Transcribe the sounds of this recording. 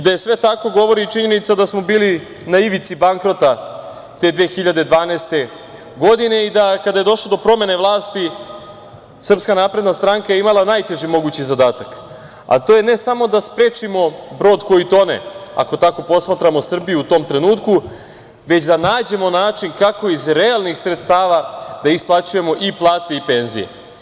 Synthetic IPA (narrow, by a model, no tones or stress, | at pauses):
id̪aje̞sʋe̞t̪ako̞ɡo̞ʋo̞ɾit͡ʃiɲe̞nit̪sad̪asmo̞biːli | naiʋit̪sibaŋkɾo̞t̪a | t̪e̞d̪ʋeːxiʎad̪ed̪ʋaːneːst̪e̞ | ɡo̞d̪ine̞id̪akad̪aje̞d̪o̞ʃlod̪opɾo̞me̞ne̞ʋlˠaːst̪i | sr̩pskanaːpɾed̪nast̪ɾaŋkajeimalˠanajt̪e̞ʒimo̞ɡut͡ɕizad̪aːt̪ak | a̰t̪o̞je̞ne̞samo̞d̪aspɾeːt͡ʂimo̞bɾo̞ːd̪ko̞jit̪o̞nḛa̰ko̞t̪ako̞po̞smat̪ɾamo̞sr̩bijuut̪o̞mt̪ɾe̞nuːt̪ku | ʋe̞t͡ɕd̪anaːd͡ʑe̞mo̞naːt͡ʂiŋkako̞izɾealˠnixsɾet̪st̪aːʋad̪̥aisplˠat͡ɕuje̞mo̞ʔiplˠaːt̪e̞ipe̞ːnzḭjḛ